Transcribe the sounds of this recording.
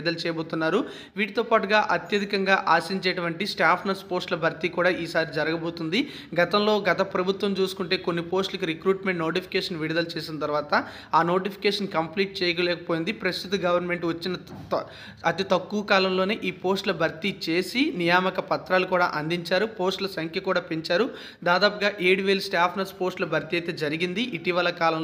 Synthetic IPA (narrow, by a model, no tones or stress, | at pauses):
d̪ɐlt͡ʃɛːjɐbo̞ːt̪unːaːɾu | ʋiːʈit̪o̞ːpaːʈuɡaːʔɐt̪jɐd̪ʱikɐŋɡaːʔaːsiɲt͡ʃeːʈɐʋɐɳʈisʈaːpʰnɐɾspoːsʈlɐbʱɐɾt̪ikuːɽaːʔiːsaːɾid͡ʒɐɾɐɡɐbo̞ːt̪und̪i | ɡɐt̪ɐmlo̞ːɡɐt̪ɐpɾɐbʱut̪ʋɐmt͡ʃuːsu̥kuɳʈe̞ːko̞nːipo̞ːsʈlɐkiɾikɾuːʈme̞ɳʈno̞ːʈipʰi̥keːʂɐnʋiɽid̪ɐlt͡ʃeːsinɐt̪̬ɐɾʋaːt̪ɐ | aːno̞ːʈipʰi̥kɛːʂɐnkɐmpliːʈ̚t͡ʃɛːjɐkɐlɛːkɐpo̞ːjind̪ipɾɐst̪ut̪uɡɐʋɐɾnme̞ɳʈʋɐt͡ʃːinɐ | ɐt̪it̪ɐkːuʋɐkaːlɐmlo̞ːneːʔiːpo̞ːsʈlɐbʱɐɾt̪it͡ʃe̞ːsinijaːmɐkɐpɐt̪ɾaːlukuːɽa̰ːʔɐnd̪iɲt͡ʃaːɾupo̞ːsʈlɐsɐŋkʰjɐkuːɽaːpeɲt͡ʃaːɾu | d̪aːd̪aːpuɡaːʔeːɽʋeːlsʈaːpʰnɐspo̞ːsʈlɐbʱɐɾt̪iɐjt̪e̞ːd͡ʒɐɾiɡind̪iʔiʈiʋɐlɐkaːlɐm